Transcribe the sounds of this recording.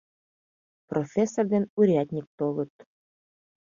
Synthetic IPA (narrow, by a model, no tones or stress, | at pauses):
profʲesːord̪enuɾʲiat̪ʲnʲik̚t̪olɤ̆t̪